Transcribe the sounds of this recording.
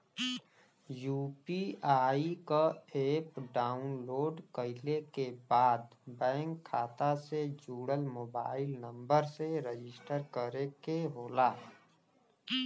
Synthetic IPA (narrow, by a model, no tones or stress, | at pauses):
juːpiaːikaeːpɖaːʊnloːɖkəɪlekebaːd̪bɛ̃ːŋkʰːaːt̪ased͡ʒuːɽəlmoːbaːɪlnə̃mbəɾseɾed͡ʒɪsʈəɾkəɾekeɦoːlaː